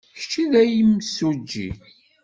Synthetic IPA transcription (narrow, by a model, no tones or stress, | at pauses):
çt͡ʃːiðæjimsud͡ʒːḭ